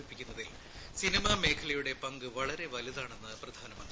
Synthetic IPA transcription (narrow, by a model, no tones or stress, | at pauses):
ipːikʲːunːɐðil | sinimɐme̞ːkʰɐlɐjuɽe̞pɐŋɡɨʋɐɭɐɾe̞ʋɐliðaːɳe̞nːɨprɐd̪ʱaːnɐmɐnd̪rii